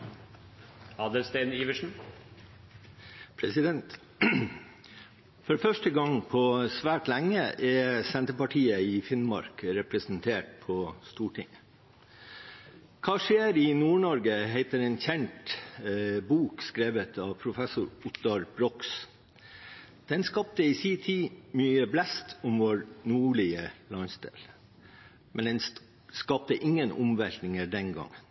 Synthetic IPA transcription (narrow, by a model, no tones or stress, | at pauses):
ɑːd̪əlst̪eniːʋəʂn̩ | pʰɾɛsɪd̪ɛnt̪ | fɔɾfœʂʈəɡɑŋpʰɔsʋæːʈlæŋːəʔɛsɛnt̪əpɑʈʰiːəɪfɪnmɑ̰ɾkɾɛpɾəsnt̪ʰeːʈ̚pʰɔst̪uːʈɪ̰ŋ | kʰɑːʂeːɾɪnuːɳɔɾɡəɦeɪt̪əɾɛːnçɛɳt̪ | buːkskɾeːʋət̪ʰɑːʋpʰɾʊfɛsʊɾʊt̪ɑɾb̥ɾɔks | d̪̥ɛnskɑp̚t̪əiːsiːt̪ʰiːmyːəblɛst̪ʰʊmʋoːɾnuːɭɪəlɑnsd̪ḛːl | mʔɛnd̪ɛn | skɑp̚t̪əʔɪŋːənʊ̰mʋɛlt̪nɪŋəɖ̪ɛnɡɑ̰ŋːən